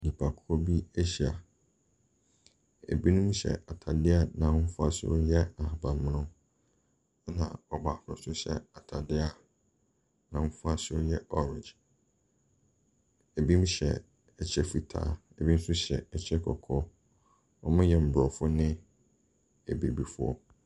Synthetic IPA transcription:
nĩ˨pʰa˨kʰʊ˦ɔ˦bi˦æ˦ɕi˨a˨ | ḛ˨bi˦nʊ̃˦m˦ɕɛ̰˨ʔa˨tʰa˨dɪ˦a˨nã˨ʊ̃˦fʊ˦a˦sɪ̰˦ʊ̰˦jɛ˦a˨hbã˨m̃˦nʊ̃˦ | nã̰˨ɔ˨baː˨kʰʊ˦ɾʊ̰̃˦sʊ˦ɕɛ̰˨a˨tʰa˨dɪ˦a˨ | nã˨wʊ̃˦fʊ˦a˦sʊ˦o˦jɛ˦ɔ˦ɾɪ̃˨nd͡ʒ | e˨bi˦m˦ɕɛ̰˨ | ɛ˨t͡ɕʰɛ˦fi˨tʰa̰ː˨e˨bi˦m̩˦sʊ˦ɕɛ˨ɛ˨t͡ɕʰɛ˦kʰɔ˨kʰɔ˦ | ɔ˨mɪ̃˦jɛ˦m̩˨bɾɔ˨fʊ˦nɪ̃˦ | e˨bi˨bi˨fʊ˦ɔ̰˦

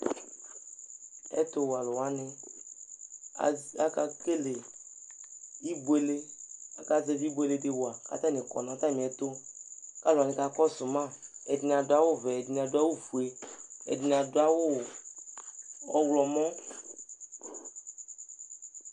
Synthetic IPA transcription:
ḛ˦t̪o˦wa˨lo˨wa˦nẽ˦˨ | a˦ka˦ke˦le˨ | i˦be˦le˦a˦ka˦ze˦vi˦be˦le˦ɖe˦wo˨a˨ka̰˦t̪ã˦nẽ˨kɔ̰˨nã˨t̪ã˦mĩ˨ɛ˨t̪o˦ka˦la˨nẽ˨ka˦kɔ˦su˨mã˦˨e˨di˨n˨ã˨do˦a˦wo˦ve˨e˨di˨ã˨do˦a˦wo˦fu˨e˨ḛ˨di˨n˨ã˨do˦a˦wo˦˨ | ɔ˦wlɔ˨mɔ̃˦

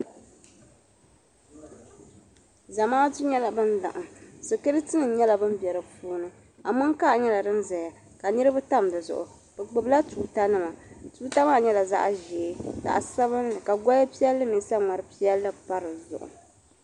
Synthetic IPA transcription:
za˨maː˦tu˦ɲɛ˦la˨bɨ˦n˦da̰˨ʔa˨sɨ˨kɨ˦ɾɨ˦tɨ˦nɨ˨˦ɲɛ˦la˨bɨ˦m˦bjɛ˨ɾɨ˨puː˦nɨ˦ | a˨mʊ˦ŋka˦ʔɲɛ˦la˨dɨ˦nzɛ˨ja˨ | ka˨nɨ˦ɾɨ˦bɨ˦ta˦m˨dɨ˨zʊ̰˨ʔʊ̰˨ | b̥ɛ˨ɡ͡bɨ˨bla˦tuː˨˦ta˦nɨ˦ma˨tuː˦ta˦maː˦˨ɲɛ˦la˨za̰˦ʔʒeː˨˦sa̰˨ʔa˨sa˦βɨ˦ɨ˨ka˨ɡɔ˦ja˦pi˦ɛ˦lːɨ˦mi˨sa˦ŋa˨ɾɨ˦pi˦ɛ˦lːɨ˦pa˦ɾɨ˨zʊ̰˨ʔʊ̰˨

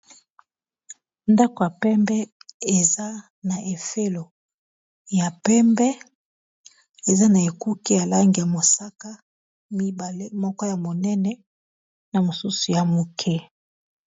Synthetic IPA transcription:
nda˦ko˨ja˨pɛ˦mbɛ˦e˨za˦ | na˨ʔe˨fe˦lo˨ | ja˨pɛ˦mbɛ˦ | e˨za˦na˨e˨ku˦ki˦ja˨la˦ŋɡi˨ja˨mo˨sa˦ka˦ | mi˦ba˨le˦mɔ˦kɔ˦ja˨mo˨nɛ˦nɛ˦ | na˨mo˨su˦su˨ja˨mo˨kʰɛ˦

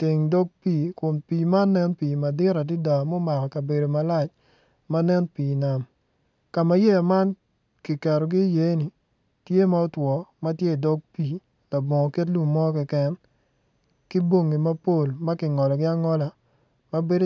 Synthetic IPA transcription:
tɪ˨ŋdɔ˦ɡ̚piː˨kʊ˨npiː˨ma˦nɛ˦npiː˨ma˨dɪ˦ɾa˨dɪ˦da˨mo˦ma˨kɔ˨ka˨be˨do˨ma˨la˦˨t͡ʃ | ma˦nɛ˦npiː˨na˨m | ka˨ma˨je˦a˨ma˦n | kɪ˨kɛ˨ɾɔ˨ɡɪ˦je˨˦nɪ˨ | tje˦ma˦ɔ˦twɔ˨ma˦tje˦˨dɔ˦ɡ̚piː˨ | la˨bɔ˨ŋɔ˨ke˦t̬lu˦˨mːɔ˦kɛ˦kɛ˦n | kɪ˦bo˦ŋːɪ˨ma˦po˦˨lma˦kɪ˨ŋɔ˨lɔ˨ɡɪ˦a˦ŋɔ˦la˨ | ma˦be˦d

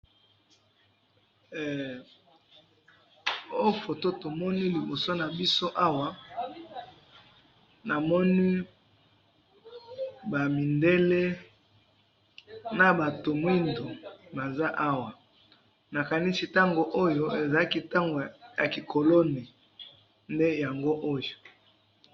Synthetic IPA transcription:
o˦fo˨to˦to˨mɔ˦ni˦li˨bo˨so˦na˨bi˦so˦ʔa˦wa˨ | na˨mɔ˦ni˦ | ba˨mi˨nde˦le˦ | na˨ba˨to˨mwi˦ndo˨ba˨za˦ʔa˦wa˨ | na˨ka˨ni˦si˨ta˦ŋɡo˨ʔo˦jo˦e˨za˨a˦ki˦ta˦ŋɡo˨ja˨ki˨kʰo˨lo˦ne˨ | nde˦ja˨ŋɡo˦ʔo˦jo˨

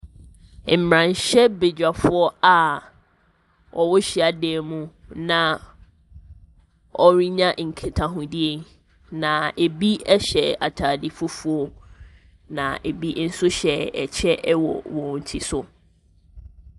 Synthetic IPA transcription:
m̩˨mɾã˨nɕɛ˦be˨d͡ʑᶣa˨fʊ˦ɔ˦a˨ | ɔ˨wʊ˦ɕi˨a˨dɛː˨mũ˦nã˨ | ɔ˦ɾi˦ɲã˦ʔŋ̩˨kʰe˨tʰã˨ɦũ˨di˦e˨ | nã˨e˨bi˦ɛ˦ɕɛ˨a˨tʰaː˨di˦fʊ˦fu˦ɔ˦ | nã̰˨ʔe˨bi˦n̩˦sʊ˦ɕɛ˨ɛ˨t͡ɕʰɛ˦ʔwɔ̰˨wɔ̃˨n̩˨tʰi˨sʊ˨

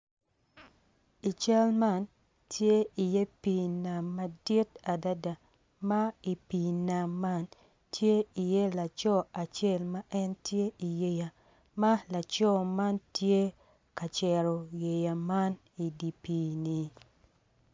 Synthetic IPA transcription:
i˨t͡ʃa˦lma˦˨n | tje˦i˨je˦pi˨na˨mːa˨di˦ta˨da˦da˨ | ma˦i˨pi˨na˨mːa˦n | tʰje˦i˨je˦la˨t͡ʃɔ˦a˨t͡ʃe˦˨lma˦ʔɛ˦ntje˦ʔi˨je˨ja˨ | ma˦la˨t͡ʃɔ˦ma˦ntje˦ | ka˨t͡ʃɛ˨ɾɔ˨je˨ja˨ma˦n | i˨di˨piː˦ni˨

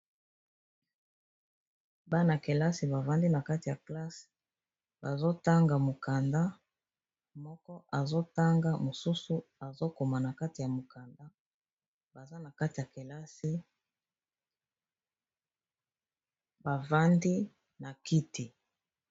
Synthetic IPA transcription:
ba˦na˨ke˨la˦si˨ba˨va˦ndi˦na˨ka˦ti˨ja˨kla˦s | ba˨zo˦ta˦ŋɡa˨mo˨ka˨nda˦ | mɔ˦kɔ˦ʔa˨zo˦ta˦ŋɡa˦mo˨su˦su˦a˨zo˦ko˨ma˨na˨ka˦ti˨ja˨mo˨ka˨nda˦ | ba˨za˦na˨ka˦ti˨ja˨ke˨la˦si˦ | ba˨va˦ndi˦ | na˨ki˦ti˨

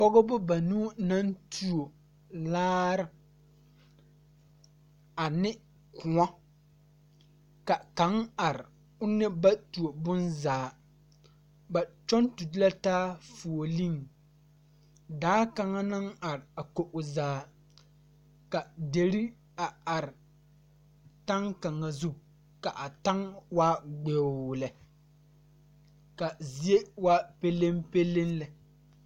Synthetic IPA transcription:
pɔ˦ɡɔ˦bʊ˦ba˨nuː˦na˦ntʰu˨o˨ | laː˦ɾɪ˦ | a˨nɪ˦ | kʊ˨ŋɔ˦ | ka˨ka˨˦ŋa˨ɾɪ˨ | ʊ˦nɪ˦ba˦tu˨o˨bʊ˦nzaː˨ | ba˨t͡ʃɔ˦ntu˨dɪ˦la˦taː˦fu˨o˨li˦ŋ | daː˦ka˨ŋa˦na˦ŋa˨ɾɪ˨a˨ko˨ʔʊ˨zaː˨˦ | ka˨de˨ɾi˦ | a˨a˨ɾɪ˨ | ta˦ŋka˨ŋa˨zu˦ | ka˨ʔa˨ta˦ŋwaː˦ɡ͡bɛ˨lɛ˨ | ka˨zi˦e˦wa˦pe˦le˦mpe˦le˦nlɛ˨

